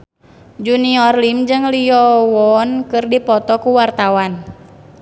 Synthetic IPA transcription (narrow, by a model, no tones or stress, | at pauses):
d͡ʒuniɔrlimd͡ʒɨŋliɔwɔnkɨrdipɔt̪ɔkuwart̪awan